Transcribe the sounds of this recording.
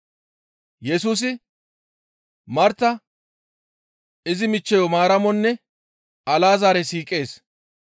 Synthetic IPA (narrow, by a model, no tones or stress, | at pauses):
jɛsuːs̬ɪ | mɐɾt̪ːɐ | ɪzɪmɪt͡ʃːɛjɔmaːɾɐmɔnːɛ | ɐlaːzaːɾɛsiːkʼːe̞ːs